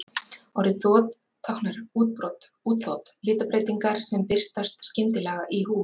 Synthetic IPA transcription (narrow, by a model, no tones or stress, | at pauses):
ɔɾɪθɔːt̪ʰː | awhnaɾ̥uːt̪̚pɾɔt̪ | uːt̪θɔːt̪lɪːt̪apɾeːjt̪iŋkaɾ̥sɛmpɪr̥t̪ast̪scɪmt̪ɪlɛːɣaʔihuː